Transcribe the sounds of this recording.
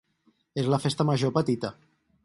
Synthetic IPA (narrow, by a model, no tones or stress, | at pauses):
ezləfest̪əməʒopət̪it̪ə